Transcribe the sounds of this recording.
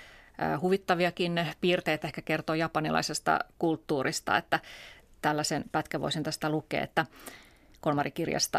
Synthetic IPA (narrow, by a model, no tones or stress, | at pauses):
huʋit̪ːɑʋiɑkinpiːrt̪eːt̪ehkækert̪oːjɑpɑnilʔɑ̰isest̪ɑ̰kult̪ːuːɾist̪ɑ̰et̪ːæ | t̪ælːæsenpæt̪kæʋo̰sint̪æst̪ælukḛːḛt̪ːæ | kolmɑrikirjɑ̰st̪ɑ